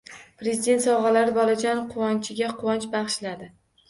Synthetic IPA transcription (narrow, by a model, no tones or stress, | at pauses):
pɾe̞zid̪e̞nt̪sɒwʁɑlaɾɪbɒlad͡ʒanqʰʊwɒnt͡ʃʰɪɡʲaqʰʊwɒnt͡ʃbɑʁʃlad̪ɪ